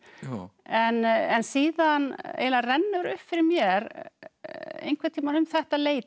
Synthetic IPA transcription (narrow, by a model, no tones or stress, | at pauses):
ɛnɛnsiːðanḛjlarɛnːʏɾʏ̰hpfɪɾɪɾmjɛɾ | ḛjnŋkvaɾt̪ʰiːmanʏmθɛht̪aleːjt̪